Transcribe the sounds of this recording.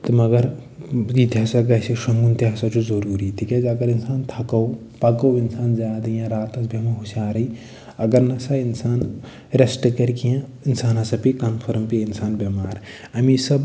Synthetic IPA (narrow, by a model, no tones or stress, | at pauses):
t̪ɨmɐɡɐɾ | jit̪ʲasɐɡɐsiʃɐnɡunt̪iɦɐsɐt͡ʃʰuzɐɾuːɾit̪ʰiked͡ʒɐɡɐɾinsaːnt̪ʰɐkɐw | pɐkɐwinsaːnzaːd̪ɐjãɾaːt̪ɐsbʱɐmɐɦusʲaːɾɐi | ɐɡɐɾnɐsɐinsaːn | ɾesʈɨkɐɾkijãinsaːnɐsɐpikɐmpʰɐɾmpiinsaːnbɐmaːɾ | ɐmisɐb